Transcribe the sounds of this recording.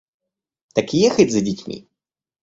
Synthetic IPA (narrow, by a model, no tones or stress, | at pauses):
t̪ɐkʲijɛxɐdʲzɐdʲɪt͡sʲmʲḭ